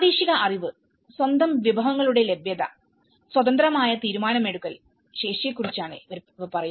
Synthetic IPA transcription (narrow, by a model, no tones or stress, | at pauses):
aːd̪iːʂiɣɐʔɐriʋɨ | swɐnd̪ɐmʋibʱɐʋɐŋːɐɭuɽe̞lebjɐðɐ̰ | swɐd̪ɐnd̪rɐmaːjɐt̪iːɾumaːnɐme̞ɽukːɐl | ɕe̞ːʂijɐkːurit͡ɕːaːɳɨiʋɐɾɐpɐrɐj